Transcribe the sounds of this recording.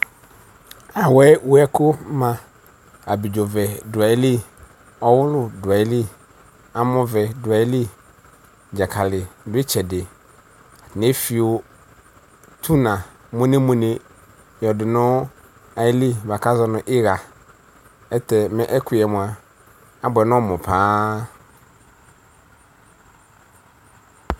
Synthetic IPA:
a˨wɛ˦wʊ˦ɛ˦kʊ˦mã˨ | a˨bi˨d͡ʒo˨vɛ˨dʊ˨a˨ɪ˦lɪ˦ | ɔ˦wʊ˦lʊ˦dʊ˨a˨ɪ˦lɪ˦ | a˨mɔ̃˨vɛ˨dʊ˨a˨ɪ˦li˦ | d͡ʒa˨kʰa˨lɪ˨dʊ˦ɪ˦t͡ʃʰɛ˨dɪ˨ | nɪ̃˦fi˨o˨ | tʰu˦nã˨ | mʊ̃˦nẽ˦mũ˨nẽ˨ | jɔ˨dɪ˨nʊ̃˦ | a˨jɪ˦li˦va˨ka˦zɔ˨nʊ̃˨ʔɪ˦ɣa˨ | ɛ˦tʰɛ˨mɛ̃˦ʔɛ˦kʰʊ˨ɛ˨mʊ̃˨a˨ | a˦bʊ˨ɛ˨nʊ̃˦mʊ̃˨pʰaː˦

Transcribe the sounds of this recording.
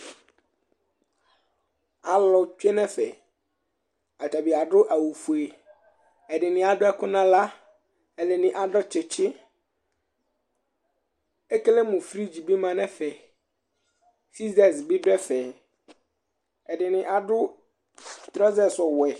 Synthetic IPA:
a˨lɔ˨t͡ʃᶣe˦nɛ̃˦fɛ˨ | a˨ta˨bi˨a˨ɖʊ˦ʔa˨wu˨fu˨e˨ | ɛ˨dɪ˨nɪ̃˨a˨dʊ˦ɛ˦kʊ˦nã˦la˦ | ɛ˨lɪ˨nɪ̃˨ʔa˨dɔ˦t͡ʃʰɪ˨t͡ɕʰɪ˦ | ɛ˦ke˦le˦mʊ̃˨fɾi˦d͡ʑi˨bi˦mã˨nɛ̃˦fɛ˨ | si˦zɛ˨sbɪ˦bɾɛ˦fɛ˨ | ɛ˨dɪ˨nɪ̃˨ʔa˨dʊ˦ | t̪ɾɔ˦zɛ˦˨sɔ˨wɛ˨

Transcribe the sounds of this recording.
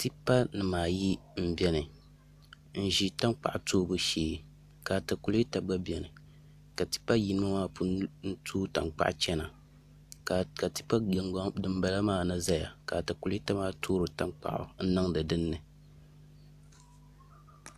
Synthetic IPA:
ti˦pa˦nɨ˨maː˨ji˦m̩˦bɛ˦nɨ˨ | n̩˦ʒi˦ta˦nk͡pa̰˨ʔʊ˨toː˦bu˦ʃeː˨˦ | ka˨ta˨ku˨li˦ta˨ɡ͡ba˦bɛ˨nɨ˨ | ka˨ti̥˦pa˦ji˦n˦ma˦maː˦pʰu˦n̩˦tʰuː˦ta˨ŋ͡mk͡pa̰˦ʔt͡ʃɛ˦na˨ | ka˨ti̥˦pa˦˨˦dɨ˦mba˦la˦maː˦˨na˦za˦ja˨ka˨ta˨ku˨li˦ta˦maː˦tʰoː˦ɾɨ˨ta˦ŋk͡pa̰˨ʔʊ̰˨n̩˦nɨ˦ŋdɨ˨dɨ˦nːɨ˨

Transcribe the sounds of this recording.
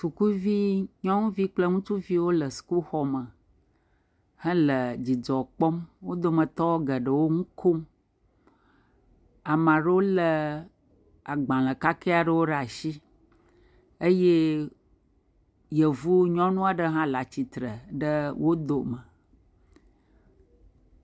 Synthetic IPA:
tu˨ku˦vi˦ɲɔ̃˦ŋũ˦vi˦k͡plə˦ŋũ˦t͡ʃu˦vi˦wo˦lə˨su̥˨ku˦xɔ˦mə˨ | hə̃˦lə˨d͡ʑi˨d͡zɔ˨k͡pɔ˦mwo˦d̪o˨mə̃˨t̪ɔ˦wo˦ɡə˨ɖə˨wo˦ŋũ˦kʰo˦m | a˨mã˨ɖə˦wo˦lə˨ | a˨ɡ͡bã˨lə˨ka˦ke˦a˨ɖə˦wo˦ɖa˨ʃi˦ | ə˦je˦ | jə˨vu˦ɲɔ̃˦nũ˦a˨ɖə˦ɦã˦la˨t͡ɕi˨t̪ɾə˨ɖə˦wʔo˦d̪o˨mə˨

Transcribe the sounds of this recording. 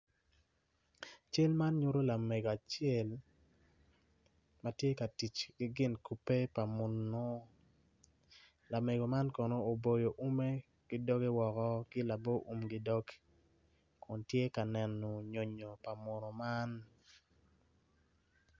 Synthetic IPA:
t͡ʃe˦lma˦nɲu˦ɾo˦la˨me˨ɡo˨a˨t͡ʃɛ˦˨l | ma˨tje˦ka˨ti˨t͡ʃɡɪ˦ɡɪ˦nku˨pe˦pa˨mo˨no˦ | la˨me˨ɡo˨ma˦nkɔ˨no˦o˨bo˨jo˨ʔu˦me˦ | ɡ̥ɪ˦dɔ˦ɡe˦wɔ˨kɔ˦kɪ˦la˨bo˦ʔu˦mɡɪ˦dɔ˦ɡ | kʊ˨ntje˦ka˨nɛ˨no˨ɲo˨ɲo˨pa˨mo˨no˨ma˦n

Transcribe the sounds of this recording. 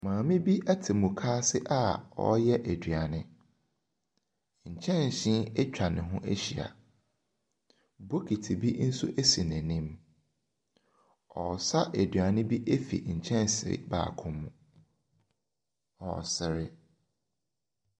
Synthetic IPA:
mãː˨mɪ̃˦bi˦ʔæ˦tʰɪ˨mʊ̃˨kʰaː˦sɪ˦ʔa˦ɔ̰˦jɛ˦ʔe˨dɥa˨nɪ̃˦ | ɲ̩˨t͡ɕʰɛ̃˦n˨ɕĩ˦e˦t͡ɕᶣa˨nɪ̃˨ɦʊ̃˦ʔe˦ɕi˨a̰˨ | bo˦kʰi˨tʰi˨bi˦n̩˦su˦ʔe˦si˨nɛ̃˨nĩ˦m | ɔ˨sa˦ʔe˨dɥa˨nɪ̃˦bi˦ʔe˦fḭ˨ɲ̩˨t͡ɕʰɛ̃˦n˨sɪ˨ɾɪ̰˨ba̰ː˨kʰʊ̃˦mːũ˨ | ɔ̰˨sɪ˨ɾɪ˦

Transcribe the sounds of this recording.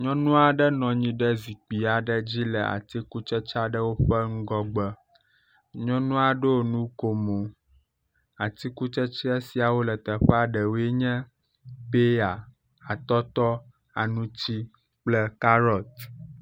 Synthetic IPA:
ɲɔ̃˦nũ˦a˨ɖə˦nɔ̃˨ɲĩ˦ɖə˦zi˨k͡pi˨a˨ɖə˦d͡ʑi˦lɛ̰˨a̰˨t̪i˦ku˦t͡ʃɛ˦t͡ʃa˦ɖə˦wo˦ɸə˦ŋ̩˦ɡɔ˦ɡ͡bə˦ | ɲɔ̃˦nũ˦a˨ɖo˦o˦˨nũ˦ko˨mo˨ | a˨t̪i˦ku˦t͡ʃɛ˦t͡ʃi˦e˦si˨a˨wo˦lə˨t̪ə˨ɸɛ˦a˦ɖə˨wo˦ɛ˦ɲɛ̃˦ | pe˦a˨ | a˨t̪ɔ˦t̪ɔ˦ | a̰˨nũ˦t͡ɕi˦ | k͡plɛ˦ka˦ɾɔ˨t̪

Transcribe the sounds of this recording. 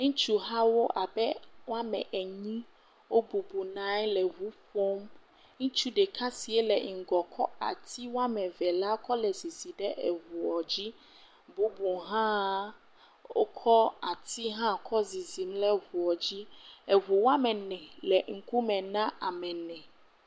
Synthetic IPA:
ŋũ˦t͡ʃu˦ɦa˦wo˦ʔa˨bɛ˦wo˦a˦mɛ̰̃˨ʔɛ˨ɲĩ˦ | wo˦bu˨bu˨nã˦ɛ˦lɛ˨ɦu˨˦ɸo˦m | ŋũ˦t͡ʃu˦ɖɛ˨kʰa˦si˨ɛ˦lɛ˨ŋi˨ɡɔ˨kʰɔ˦a̰˨t̪ʰi˦wo˦a˦mɛ̃˨vɛ˨la˦kɔ˦lɛ˨zi˨zi˨ɖɛ˦ʔɛ˨vu˨ɔ˨d͡ʑi˦ | bu˦bu˨ɦã˦ | o̰˦kʰɔ˦a˨t̪i˦ɦã˦kʰɔ˦zi˨zi˨mlɛ˦vu˨ɔ˨d͡ʑi˦ɛ˨βu˨wo˦a˦mɛ̃˨nɛ̃˨lɛ˨ŋ̩˨ku˦mɛ̃˨nã˦a˨mɛ̃˨nɛ̃˨

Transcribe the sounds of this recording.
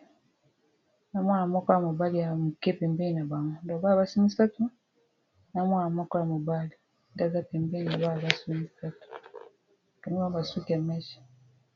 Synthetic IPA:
na˦mwa˦na˨˦ma˦kɔ˦a˨mu˨ba˦li˨a˨mu˨ke˦pe˨mbe˦˨na˨βa˨ŋu˨nda˨βa˦˨βa˦si˦mi˦ssa˦tu˦ | na˦mwa˦na˨˦ma˦ko˦ja˨mu˨ba˦li˨ | nda˦za˦pe˨mbe˦˨na˨βa˦˨βa˦su˦mi˦sa˦tu̥˨ | du˨ŋu˦a˦ba˨su˦ki˨a˨ma˦ʃi̥˨

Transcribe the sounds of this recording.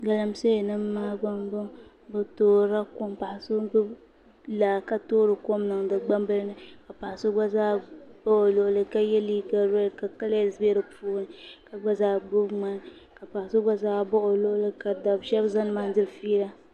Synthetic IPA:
ɡa˨la˨mse˦˨nɨ˦mː˦aː˦ɡ͡ba˦mɡ͡bɨ˦m | bɨ˦toː˦ɾa˦ko˦mpa˨ʔa˨so˦bʊ˦b | la˨ka˨toː˦ɾɨ˨ko˦mnɨ˨ŋdɨ˨ɡ͡ba˦mbɨ˦lnɨ˦ka˨pa˨a˨so˦ɡ͡ba˦zaː˦b̥a˦o˨lo˨ʔʊ˨lɨ˨ka˦jɛ˦liː˦ɡa˦ɾo˦lka˨ka˦la˦zbe˦ɾɨ˨puː˦nɨ˦ka˨ɡ͡ba˦zaː˨ɡ͡bʊ˦bŋ͡ma˦n˦ | ka˨pa˨ha˨so˦ɡ͡ba˦zaː˦bɔ˦ʔo˨lʊ˦ʔʊ˦lɨ˦ka˨da˨bʃɛ˦bza˦nɨ˦maː˦n˦dɪ˦ɾfiː˦ɾa˦

